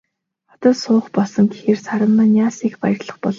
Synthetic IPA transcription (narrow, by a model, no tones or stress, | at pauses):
ɔt̪ɔːsʊːχpɔɮsɞ̆ŋɡexeːrsaɾə̆mːănjaːsixpa̰jə̆rɮə̆χpɔɮ